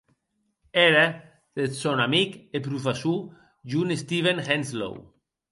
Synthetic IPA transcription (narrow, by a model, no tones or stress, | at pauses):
eɾa | ð̥et̪sonamikepɾufasu | ʒunest̪iβenxenzlo̰w